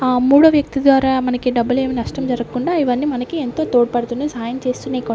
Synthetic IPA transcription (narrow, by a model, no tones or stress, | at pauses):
muːɽɐʋjɐk̚t̪id̪ʋaːɾaːmɐnɐkiɖɐbːuleːminɐʂʈɐmd͡ʒɐɾɐkkːuɳɖaːiʋɐnːiːmɐnɐkient̪o̞ːt̪oːɽpɐɽt̪uneːsaːjɐmt͡ʃe̞ːst̪uːneːkɐ